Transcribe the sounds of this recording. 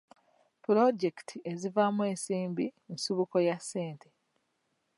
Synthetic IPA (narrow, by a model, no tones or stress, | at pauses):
pulo̞ɟe̞ktʰiʔezivamwe̞ːnsiːmbiensuβuko̞jasːe̞ːntʰe